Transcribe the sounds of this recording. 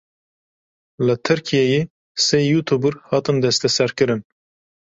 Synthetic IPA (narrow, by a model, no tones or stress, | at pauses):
lət̪ʰɨɾkʰijeje | seːjuːt̪ʰubɨɾhɑːt̪ɨnd̪ɛst̪ʰɛsɛɾkɨɾɨn